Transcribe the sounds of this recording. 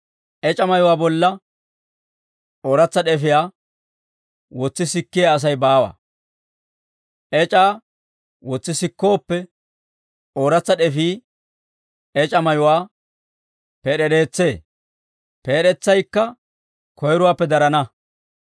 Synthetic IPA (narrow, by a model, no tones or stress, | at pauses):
ʔɛt͡ʃʼɐmɐjʊwaːbɔlːɐ | ʔo̞ːɾɐt͡sːɐɗɛfɪjaː | wɔt͡sːɪsɪkːɪjaːs̬ɐjbaːwa̰ː | ʔɛt͡ʃʼaː | wɔt͡sːɪsɪkːo̞ːpːɛ | oːɾɐt͡sːɐɗɛfiː | ɛt͡ʃʼɐmɐjʊwaː | peːɗɛɗe̞ːt͡sːe̞ː | peːɗɛt͡sːɐjkːɐ | kɔjɾʊwaːpːɛd̪ɐɾɐnɐ